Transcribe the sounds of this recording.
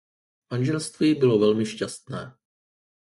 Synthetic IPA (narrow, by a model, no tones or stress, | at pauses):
manʒɛlst̪viːbɪlo̞vɛlmɪʃcast̪nɛː